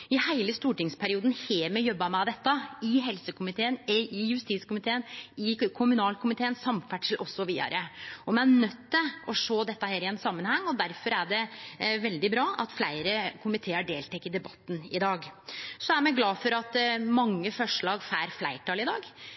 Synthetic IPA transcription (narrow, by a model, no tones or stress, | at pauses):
ɪhæɪləst̪uːʈɪŋspʰæɾɪuːd̪n̩heːmɛjɔbːɑmæd̪ɛt̪ːəɪɦɛlsəkʰʊmɪt̪ʰeːənɪjʉst̪iːt̪skʊmɪt̪ʰeːənɪkʰʊmʉnɑːlkʰʊmɪt̪ʰeːənsɑmfæʈʂəl̩ʔɔsːɔʋḭːd̪ɑ̰ɾəɔmɛænœt̪ːɪlɔʂoːd̪ɛt̪ːəheːɾɪɛnsɑmːənhɛŋːɔd̪æɾfɔɾæɖɛʋɛld̪ɪbɾɑːɑt̪flæɪɾəkʰʊmɪt̪ʰeːəɖeːlt̪ʰɛkːəd̪ɛbɑt̪ːn̩ɪd̪ɑːɡsɔæɾmæɪɡlɑːfɔɾɑt̪mɑŋːəfɔʂɭɑːɡfæːɾflæɪʈʰɑːlɪd̪ɑ̰ːɡ